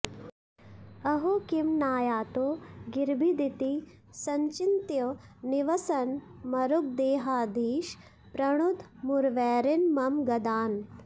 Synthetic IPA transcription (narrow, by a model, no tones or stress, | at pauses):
ɐɦokimnaːjaːt̪oːɡiɾbʱid̪it̪i | sɐɲt͡ʃint̪jɐniʋɐsɐnmɐɾuk̚d̪eːɦaːd̪iːʃ | pɾɐɽ̃ud̪muɾʋɛːɾinmɐmɡɐd̪aːn